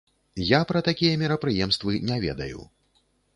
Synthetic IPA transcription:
japɾɐt̪akʲijɐmʲiɾɐpɾɨjɛmst̪vɨnʲɛvʲɛ̰d̪ɐ̰jṵ

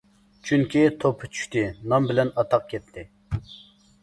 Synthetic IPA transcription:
t͡ʃʰyŋkʲit̪ʰopʰːɨ̥t͡ʃʰy̥ʃt̪ɪnɑmbɪlɛnɑt̪ʰɑq̚kʲʰɛt̪ʰːɪ

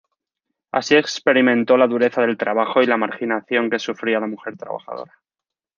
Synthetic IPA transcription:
a̰sie̞kspe̞ɾimẽ̞nt̪o̞laðuɾe̞θaðe̞lt̪ɾaβ̞axo̞ilamaɾxinaθjo̞ŋke̞sufɾialamuxe̞ɾt̪ɾa̰βa̰xa̰ðo̞̰ɾa

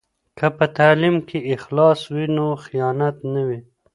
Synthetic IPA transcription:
kʰəpət̪aːlimkʰeɪxlɑswinoxijɑnat̪nawi

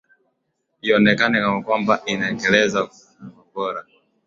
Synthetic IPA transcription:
iɔnɛkanɛkamakwambaʔinaɛŋɡɛlɛzaku | uvabɔɾa

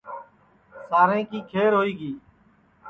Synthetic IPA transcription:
saːɾẽːkiːkʰeːɾɦoːiːɡiː

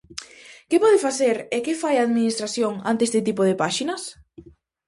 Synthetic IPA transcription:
kɪpɔðɪfaθeɾekɪfajaːðminist̪ɾaθjoŋa̰nt̪eest̪ɪt̪̬ipoð̞ɪpaʃinɐs

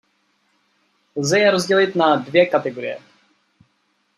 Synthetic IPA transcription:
lzɛjɛɾozɟɛlɪt̪nadvjɛkat̪ɛɡoɾɪ̰jɛ̰

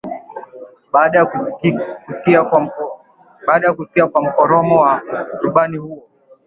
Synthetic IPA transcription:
ɓaːɗaj | kuskia | ɓaːɗajakusi̥kiakwam̩kɔɾɔmɔwasuɓanihuɔ

